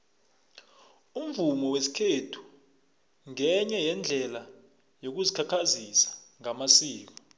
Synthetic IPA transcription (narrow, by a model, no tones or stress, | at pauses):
um̩vumɔwesi̥kʰetʰu̥ | ŋɛɲɛjɛnd͡ɮʱɛla | jok̬uzikʰakʰazisḁŋamasiːk̬ɔ